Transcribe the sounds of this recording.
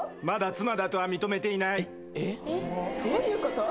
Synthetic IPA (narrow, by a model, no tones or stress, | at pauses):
mad̪at͡sɨmad̪at̪o̞βamʲit̪o̞me̞t̪e̞inai | e | ojɯːkot̪o